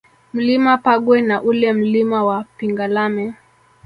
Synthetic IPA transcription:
m̩limapaɠwɛnaʔulɛm̩limawapiŋɡalamɛ

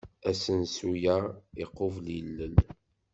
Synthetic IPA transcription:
æsənsujaiqːovlilːən

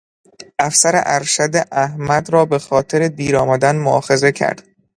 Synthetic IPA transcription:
ʔæfsæɾḛʔæɾʃæd̪eʔæhmæd̪ɾɒːbe̞xɒːt̪ʰe̞ɾe̞d̪iːɾɒːmæd̪ænmoʔɒ̰ːxe̞ze̞cʰæ̰ɾd̪̥

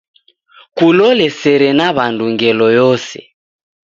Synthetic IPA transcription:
kulɔlɛsɛɾɛnaβanduŋɡɛlɔjɔsɛ̰

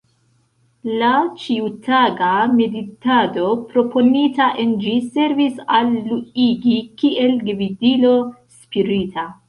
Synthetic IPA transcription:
lat͡ʃiutaɡame̞ditado̞pɾo̞pʰo̞nitaʔe̞nd͡ʒise̞ɾvisalːuiɡikiʔe̞lɡvidilo̞spiɾitʰa

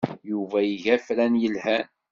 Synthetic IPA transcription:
juvæjəʝæfɾænjəlhæn

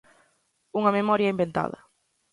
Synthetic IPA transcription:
uŋɐmemɔɾjɐimbẽnt̪a̰ðɐ̰

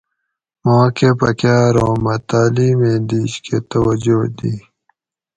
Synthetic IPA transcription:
moːkepɐkjaːɾoːmɐt̪aːliːmeːd̪iːɕkʰet̪ɐwɐd͡ʑod̪iː

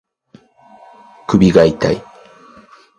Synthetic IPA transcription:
kɯbʲiɡait̪a̰i

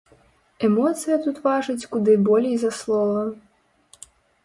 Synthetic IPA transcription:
ɛmɔt̪sɨjɐt̪ut̪vaʐɨt͡sʲkud̪ɨbɔlʲejzaslˠɔlˠɐ

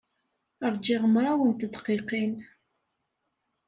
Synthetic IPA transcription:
əɾˤd͡ʒɪʁəmɾˤawənt̪əd̪qiqin

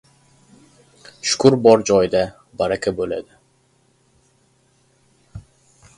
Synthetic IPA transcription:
ʃʊ̥kʰʊɾbɒɾd͡ʒɒjd̪a | baɾakʲʰabola̰d̪ɪ

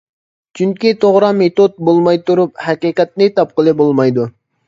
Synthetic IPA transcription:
t͡ʃʰyŋkʲit̪ʰoʁɾɑmet̪ot̪̚bolˠmɑjt̪uɾup̚hɛqiːqɛt̪̚nɪt̪ɑp̚qəlˠɨbolˠmɑjd̪u

